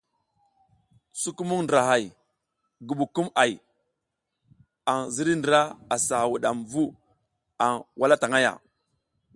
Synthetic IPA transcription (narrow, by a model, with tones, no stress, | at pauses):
su˦ku˦mu˦ŋndɾa˨ɦa˨j | ɡu˨ɓu˨ku˦ma˨j | a˨ŋzi˦ɾi˦ndɾa˦a˨sa˨wu˨ɗa˨mvu˦ | a˨ŋwʔa˦la˦ta˨ŋa˦ja̰˨